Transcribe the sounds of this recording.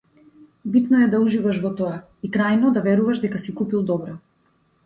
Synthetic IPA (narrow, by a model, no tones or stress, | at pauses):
bit̪nɔɛd̪auʒivaʃvɔt̪ɔa | ikɾajnɔd̪avɛɾuvaʃd̪ɛkasikupilˠd̪ɔbɾɔ